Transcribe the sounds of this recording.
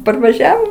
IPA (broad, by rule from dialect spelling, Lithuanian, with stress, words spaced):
pɐrʋɐˈʒʲæːʋoː